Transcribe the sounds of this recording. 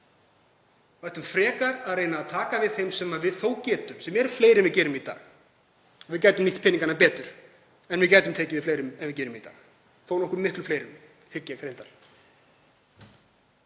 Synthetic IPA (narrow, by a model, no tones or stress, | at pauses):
vajht̪ʏmfɾɛːkaɾaðreːjnaːðt̪ʰaːkavɪðθejmsɛmaðvɪðθoːwcɛːt̪ʏmsɛmːɛɾʏfleːjɾɛnvɪðcɛːɾʏmit̪a̰ːɣ | ɔvɪðcaːjt̪ʏmniht̪pʰɪniŋkanapɛːt̪ʏɾ̥ | ɛnvɪðcaːjt̪ʏmt̪ʰɛːcɪvɪðfleːjɾʏmɛnvɪc̬ɛːɾʏmit̪a̰ːɣ | θownɔhkʏmɪhklʏfleːjɾʏm | hɪcːakʰɾejnt̪aɾ̥